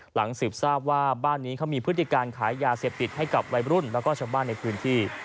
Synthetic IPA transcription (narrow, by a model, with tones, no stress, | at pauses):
la˩˦ŋsɯː˨˩p̚saː˥˩p̚waː˥˩baː˥˩nːiː˦˥kʰa˦˥wmiː˧pʰɾɯ˦˥t̪ʰːi˨˩kaː˧nkʰaː˩˦jːaː˧seː˨˩p̚t̪i˨˩t̪̚ɦa˥˩jka˨˩p̚ɾa˧jɾu˥˩nlɛː˦˥wkɔː˥˩t͡ɕʰaː˧wbaː˥˩nːa˧jpʰɯː˦˥nt̪ʰiː˥˩